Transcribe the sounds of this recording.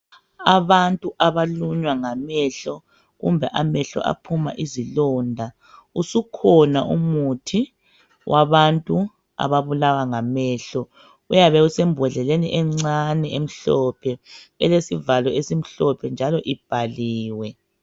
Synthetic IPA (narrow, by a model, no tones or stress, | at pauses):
aβantʼuʔaβaluɲwaŋamɛɬɔ | ɣṵmbʱɛʔamɛɬɔ̰ʔa̰pʰuma̰ʔizilɔːndʱa | usukʰɔnaʔṵmutʰi | wʔaβantʼu | a̰βaβulawaŋamɛːɬɔ | ujaβɛusembʱɛɮɛleniʔɛŋ͡ǀanɛʔem̩ɬɔpʰɛɛlesivalɔesim̩ɬɔpʰɛnd͡ʒʱalɔʔib̥ʱaliːwɛ